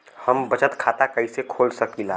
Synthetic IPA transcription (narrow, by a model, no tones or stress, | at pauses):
həmbɐt͡ʃət̪kʰaːt̪akɐisekʰoːlsɐkilaː